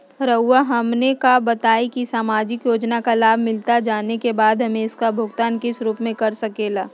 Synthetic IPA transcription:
ɾəːaɦɐmnekabɐt̪aːikisaːmaːd͡ʒɪkjoːd͡ʒnakalaːbʱmɪlt̪ad͡ʒaːnekebaːd̪ʱɦɐmẽɪskabʱʊɡt̪aːnkɪsɾuːpmẽkɐɾsɐkeːlaː

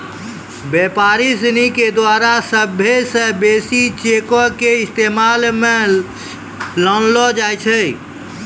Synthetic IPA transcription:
beːpaːɾis̬əniked̪waːɾasəbʱesə̃beːsit͡ʃekokeɪst̪eːmaːlmẽ | lɔːnlɔd͡ʒaːjt͡ʃʰɛ

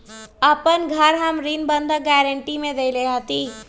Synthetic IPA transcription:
əpənɡʱəɾɦəmɾinbə̃nd̪ʱaɡɛːɾəɳʈimẽd̪eleɦat̪iː

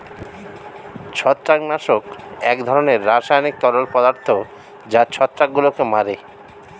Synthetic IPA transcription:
t͡ɕʰɔt̪ːɾaknaʃokɛkd̪ʱɔɾoneɾːaʃajnik̚t̪ɔlolpɔd̪aɾt̪ʰo | d͡ʑat͡ɕʰɔt̪ːɾakɡulokemaɾe

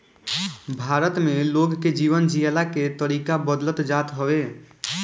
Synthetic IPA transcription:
bʱaːɾət̪mẽloːɡked͡ʒiːʋənd͡ʒiəlaket̪əɾiːkabəd̪lət̪d͡ʒaːt̪ɦəwe

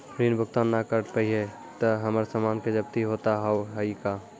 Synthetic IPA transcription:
pɾiːnbʱʊkt̪aːnːakəɾʈpəiɦɛ | t̪əɦəməɾsəmaːnked͡ʒəb̚t̪iɦoːt̪aɦɛoɦəika

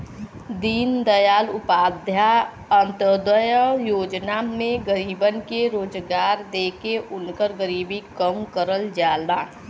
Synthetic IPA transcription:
d̪iːnd̪əjaːlʊpaːd̪ʱja | ənt̪əd̪əjəjoːd͡ʒnamẽɡəɾiːbənkeɾoːd͡ʒɡaːɾd̪eːkeʔʊnkəɾɡəɾiːbikəmkəɾəld͡ʒaːlaː

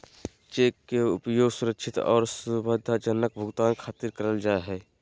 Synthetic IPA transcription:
t͡ʃeːkːeʊpjoːɡsʊɾəkʃʰɪt̪ɔ̰ːɾsubəd̪ʱːad͡ʒənːək̚bʱʊɡt̪aːnkʰaːt̪iɾkəɾəld͡ʒaːeɦɛː

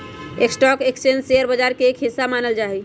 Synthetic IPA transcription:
eksʈɔkekst͡ʃend͡ʒseəɾbəd͡ʒaɾkeːkʰɦisamanəld͡ʒaɦɛ

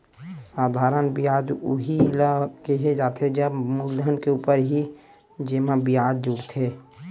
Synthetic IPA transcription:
saːd̪ʱaːɾənbijaːd͡ʒ̪ʊ̰ɦilakeɦed͡ʒaːt̪ʰed͡ʒəbmʊld̪ʱənkeuːpəɾɦi | d͡ʒeːmabijaːd̪d͡ʒʊɽt̪ʰeː

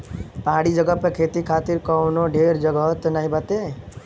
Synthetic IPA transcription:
pəɦaɽid͡ʒəɡəpmekʰet̪ikʰat̪iɾkɔwnoɖʱeɾd͡ʒəɡət̪naɦĩbat̪e

